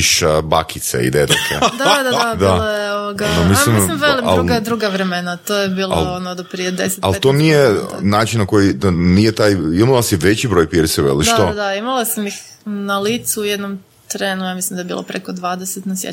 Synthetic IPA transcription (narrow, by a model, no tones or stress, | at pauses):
ʃbakit̪sḛḭd̪ed̪okʰḛd̪ad̪ad̪ad̪iaojeoʋoɡaonomisalimmisimʋelˠimalɾuɡad̪ɾuɡaʋɾemenat̪oːjebiːla̰lonod̪apɾijed̪ḛset̪a̰lt̪o̞nijenaːt͡ʃinnako̞jid̪anijet̪aːjimalˠaseʋet͡ɕibɾojpjeɾisɛʋḛlˠiʃd̪taod̪aimalˠasamix | nalit̪suujed̪nom | t̪ɾeːnujamislimd̪ajebḭlˠo̰pɾekod̪ʋaːd̪eset̪nasjḛ